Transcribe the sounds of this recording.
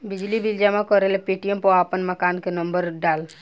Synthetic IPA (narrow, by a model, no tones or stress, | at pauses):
bɪd͡ʒlibild͡ʒamãkɔɾelpeːʈijəmpɔaːpənməkaːnkenəmbəɾɖaːl